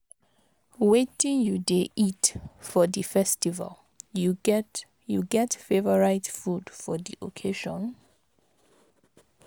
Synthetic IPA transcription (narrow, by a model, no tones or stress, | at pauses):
wetĩŋjudeʔitfɔdifɛstiva̰l | ju | juɡɛtfevəɹaɪtfudfɔdḭʔokʰeʃɔ̰̃n